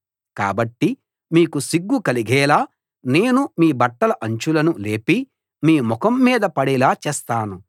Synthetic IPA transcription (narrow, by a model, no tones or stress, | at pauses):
ka̰ːbɐʈːi | miːkusiɡːukɐliɡɛːlaː | ne̞ːnumiːbɐʈːɐlɐʔɐɲt͡ʃulɐnule̞ːpi | miːmɔkɐmːiːd̪ɐpɐɽɛlaːt͡ʃɛːst̪aːnu